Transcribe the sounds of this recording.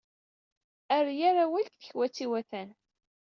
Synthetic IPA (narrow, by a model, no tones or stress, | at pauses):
æɾjaɾawælkθəçwæt͡sːiwæθæn